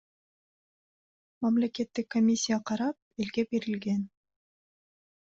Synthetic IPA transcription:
mɑmle̞ke̞t̪ːikːomʲisʲːijaqʰɑɾɑp̚e̞lɡe̞be̞ɾilɡe̞n

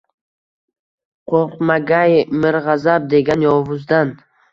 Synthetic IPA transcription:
qʰoqmaɡajmɪɾʁazab̚d̪e̞ɡʲanjɒvʊzd̪an

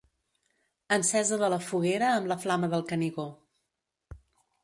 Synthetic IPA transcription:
ənsɛzəðələfuɣeɾəːmləflaməðəlˠkəniɣo

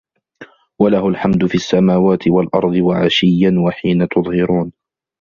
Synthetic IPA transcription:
walahʊlħamd̪ʊfiːʔasːamaːwaːt̪ʰɪwalʔɑɾˤd̪ˤɨwaʕa̰ʃɪjːanwaħiːnat̪ʊðˤhɪɾuːn

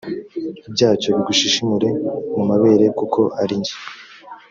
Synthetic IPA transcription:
ibɟaːt͡ʃo̞βiɡuʃiʃimuɾe̞mumaβe̞ːɾe̞kukʰo̞ʔaɾiɲɟi̥

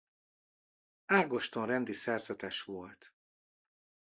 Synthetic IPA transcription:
aːɡo̞ʃt̪onrɛnd̪isɛrzɛt̪ɛʃʋo̞lt̪

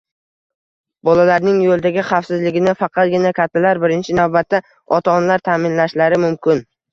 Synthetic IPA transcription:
bɒlalaɾnɪŋjolˠd̪aɡʲɪχɑfsɪzlɪɡʲɪnɪfɑqʰɑt̪̚ɡʲɪnakʲat̪ʰːalaɾbɪɾɪnt͡ʃʰɪnavbat̪ːa | ɒt̪ʰanlaɾt̪ʰaːmɪnlaʃlaɾɪmʊmkʲʰɪn

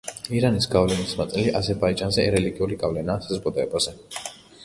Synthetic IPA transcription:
iɾanisɡavlɛnismat̪sʼɛliʔazɛɾbaid͡ʒʼanzɛɾɛliɡiuliɡavlɛnaːsazɡʼwɔd̪ʼɔɛbaz̥ɛ

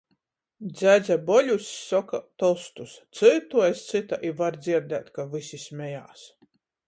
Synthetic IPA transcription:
d̪zʲæd̪zʲæbɔlʲusːɔkat̪ɔlˠst̪ust̪sɨt̪uɔjst̪sɨt̪aʔivaɾd̪zʲiɾd̪æːt̪kavɨsisʲmʲɛjaːs

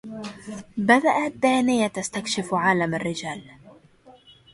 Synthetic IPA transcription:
bad̪aʔad̪ːaːnɪjat̪ast̪akʃɪfʕaːlamarːɪd͡ʒaːl

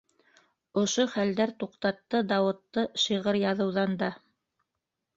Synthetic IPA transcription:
ŏʃoχæld̪æɾt̪uqt̪ɑt̪ːɤd̪ɑwɤ̆t̪ːɤʃɤʁɤɾjɑðɤ̆wðɑnd̪ɑ

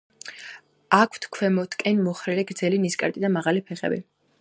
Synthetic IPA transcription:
akʰt̪ʰkʰwɛmɔt̪ʰkʼɛnmɔχɾɛlɛɡɾd̪zɛliniskʼa̰ɾt̪ʼid̪amaʁalipʰɛχɛ̰bḭ

